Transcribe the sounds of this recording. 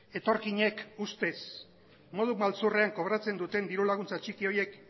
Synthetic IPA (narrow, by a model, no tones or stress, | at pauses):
e̞t̪o̞ɾkiɲe̞kust̪e̞s | mo̞ð̞umalt͡sureaŋko̞βɾat͡se̞nd̪ut̪e̞nd̪iɾulaɣ̞unt͡sat͡ʃikio̞je̞k